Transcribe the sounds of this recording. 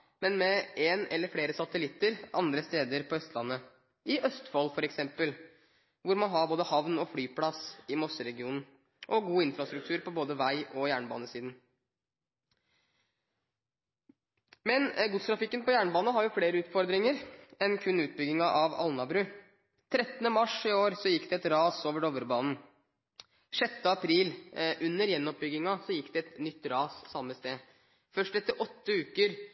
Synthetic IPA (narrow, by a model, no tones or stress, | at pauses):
mɛnmɛeːnɛlːəɾfɽeːɾəsɑt̪əlɪt̪ːəɾʔɑ̰nd̪ɾəst̪eːd̪əɾpʰɔœst̪ʰlɑ̰nːə | ɪʔœst̪fɔlfɔɾɛksɛmpəl | ʋʊɾmɑnɦɑɾboːd̪əhɑʋnɔflyːpʰlɑsɪmɔsəɾɛɡɪuːnn̩ | ʔɔɡuːɪnfɾɑst̪ɾʉkt̪ʰʉːɾpʰɔboːd̪əʋæɪɔjæːɳbɑ̰ːnəsiːd̪n̩ | mɛnɡʊst̪ɾɑfɪkːənpɔjæːɳəbɑːnəɦɑɾjʊfleːɾəʉːt̪fɔɾd̪ɾɪŋəɾɛnkʰʉnːʉːt̪̚bʏɡɪŋɑʔɑʋɑ̰lnɑbɾʉ | t̪ʰɾɛt̪ːənəmɑʂɪoːɾsɔjɪkːd̪ɛɛt̪ɾɑːsoːʋəɖɔʋəɾbɑːnn̩ | ʂɛt̪ːəɑpʰɾiːlʔʉnːəɾjɛnːɔp̚bʏɡɪŋɑsɔjɪkːd̪ɛɛt̪nʏt̪ːɾɑːssɑmːəst̪eː | fœʂʈɛft̪ːəʔɔt̪ːəʉːkəɾ